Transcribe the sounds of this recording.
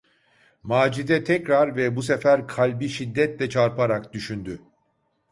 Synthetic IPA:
maːd͡ʒid̪ɛt̪ʰɛcɾaɾvɛbusefæɾkʰalʲbiʃid̪ːɛt̪lʲɛt͡ʃʰaɾpʰaɾakd̪yʃynd̪y

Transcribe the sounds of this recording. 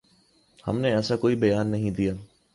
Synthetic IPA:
hɐ̰mneɛːsakoːibɐjaːnːɐɦĩd̪ijaː

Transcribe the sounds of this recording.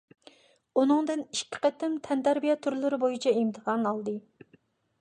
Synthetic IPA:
unɨŋd̪ɨniʃkʲʰːɪ̥qət̪ɪmt̪ʰɛnd̪æɾbijɑt̪ʰuɾlˠɨɾɪbojit͡ʃʰɛimt̪ʰəʁɑnɑlˠd̪ɨ

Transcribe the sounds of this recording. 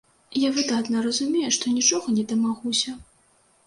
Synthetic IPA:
javɨd̪at̪nɐɾɐzumʲejɛʂt̪ɔnʲit͡ʂɔɣɐnʲɛd̪ɐmaɣusʲɐ

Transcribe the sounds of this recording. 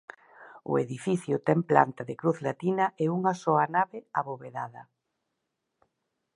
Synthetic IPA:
ʊ̰ḛðifiθjʊt̪ɛŋpla̰nt̪aðekɾuθlat̪inɐʔeuŋasɔanaβeaβoβeðaðɐ̰

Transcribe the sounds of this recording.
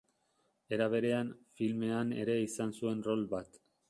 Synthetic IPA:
e̞ɾaβe̞ɾe̞anfilme̞ane̞̰ɾe̞isansue̞nro̞lbat̪

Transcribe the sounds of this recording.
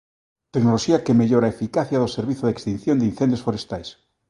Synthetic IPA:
t̪eknoloʃiakemeʎoɾaefikaθjaðoseɾβiθoðekst̪in̟θjond̪ein̟θenjosfoɾest̪ajs

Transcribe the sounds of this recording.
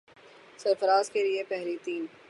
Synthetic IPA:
sɐɾfəɾaːzkeliepɛɦlit̪iːn

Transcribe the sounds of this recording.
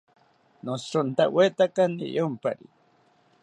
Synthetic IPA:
nosɾʊnt̪awet̪akanḭjompa̰ɾḭ

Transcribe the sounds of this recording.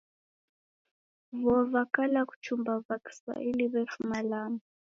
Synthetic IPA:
βɔvakalaku̥t͡ʃumbavaki̥sa̰ʔiliβɛfumalaːma

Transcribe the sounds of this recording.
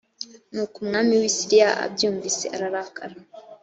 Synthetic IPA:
nuːkumŋaːmiwisiɾijaʔa̰bɟuːɱvise̞̰ʔaɾaɾaka̰ɾa

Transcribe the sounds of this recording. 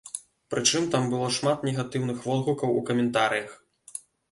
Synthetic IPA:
pɾɨt͡ʂɨmt̪ambɨlˠɔʂmat̪nʲɛɣat̪ɨwnɨxvɔlˠɣukɐwukɐmʲɛnt̪aɾɨjɐx

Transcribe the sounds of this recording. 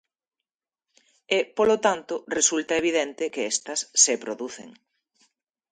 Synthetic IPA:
epolot̪ant̪ʊresult̪ɐeβiðent̪ɪkeɛst̪ɐsːepɾoðuθḛŋ

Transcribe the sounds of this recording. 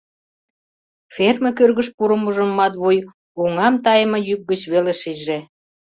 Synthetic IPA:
fermekørɣəʃpuɾə̆muʒə̆mːɑt̪βuj | oŋɑmt̪ɑjəmɤ̆jyk̚ɡət͡ɕβeleʃiʒe

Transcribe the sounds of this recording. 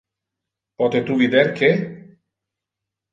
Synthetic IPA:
pɔt̪et̪uβiðeɾkʰe

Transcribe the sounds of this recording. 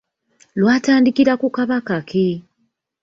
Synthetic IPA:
lwaːtaːndikiɾakukaβakakʰe

